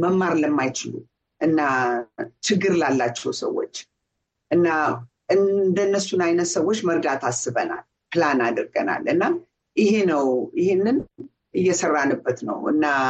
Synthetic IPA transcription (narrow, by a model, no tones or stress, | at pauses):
məmːaɾləmːajt͡ʃɪlṵ | ʔɨnːa | t͡ʃɪɡːɨɾlalːat͡ʃːɛwsə̰wːo̞̰t͡ʃː | ʔɨnːa | ʔɨnd̪ənːəsːunajnət̪səwːo̞t͡ʃːməɾd̪at̪ʰasːɨβəna̰l | pɨlanad̪ɨɾɡəna̰lɨnːa | jɪɦenəwjɪhenːɨn | ʔɨjːɛsərːanːɨbːət̪nə̰wʔɨ̰nːa